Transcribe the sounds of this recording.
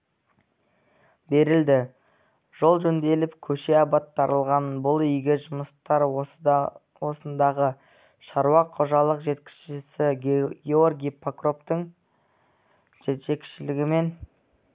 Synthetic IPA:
be̞ɾɪld̪ɪ | ʒ̥o̞lˠʒɵnd̪e̞lɪpkʲʰɵʃe̞ɑbɑt̪ʰːɑɾʔəlˠʁɑnbʊlˠʏjɡʲɪʒʊməst̪ɑɾ | wo̞sənd̪ɑʁə | ʃɑɾuwɑqʰoʒɑlˠəqʒe̞t̪kʲɪ̥sʃɪsɪɡʲeorɡʲijpʰakro̞pt̪əɴ | ʒeekʲʃɪlɪɡʲɪme̞n

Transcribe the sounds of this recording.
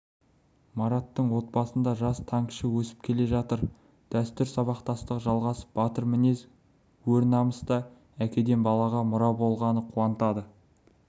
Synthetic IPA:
mɑɾɑt̪ːəɴwo̞t̪̚bɑsənd̪ɑʒɑst̪ʰɑŋʃəwɵsɪ̥p̚kʲʰe̞le̞ʒɑt̪əɾ | d̪̥æst̪ʏɾsɑβɑqt̪ɑst̪əqʒɑlˠʁɑsə̥pbɑt̪əɾmɪne̞z | wɵɾnɑməst̪ɑ | ækʲe̞d̪e̞nbɑlˠɑʁɑmʊɾɑwbo̞lˠʁɑnəqʰuɑnt̪ɑd̪ə

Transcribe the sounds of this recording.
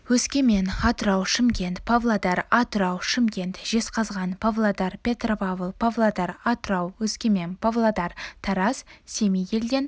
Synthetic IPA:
wɵskʲe̞me̞nɑt̪əɾɑwʃɪmkʲe̞nt̪pʰavlˠad̪ɑɾɑt̪ʊɾɑwʃɪmkʲe̞nt̪ʒ̥e̞sqɑzʁɑnpʰavlˠad̪ɑɾpʲe̞t̪ropavəlˠpʰavlˠad̪ɑɾɑt̪ʊɾɑwwɵskʲeme̞npʰovlˠad̪ɑɾt̪ʰɑɾɑsse̞mijɡʲe̞ld̪e̞n

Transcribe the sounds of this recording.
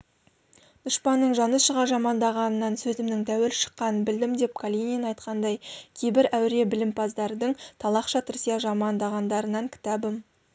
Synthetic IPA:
d̪̥ʊʃpɑnːəɴʒɑnəsʃəʁɑʒɑmɑnd̪ɑʁɑnənɑnsɵzɪmnɪŋt̪ʰæwelʃə̥qːɑnbɪld̪ɪmd̪e̞p̚kʰolʲininɑjt̪qɑnd̪ɑjkʲʰe̞jbɪɾæwɾe̞bɪlɪmpʰɑzd̪ɑɾd̪əɴt̪ʰɑlˠɑqʃɑt̪ʰɪɾsijɑʒɑmɑnd̪ɑʁɑnd̪ɑɾənɑŋkʲʰɪ̥t̪ɑbəm

